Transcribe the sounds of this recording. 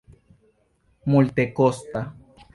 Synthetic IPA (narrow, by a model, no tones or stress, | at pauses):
mult̪ekost̪a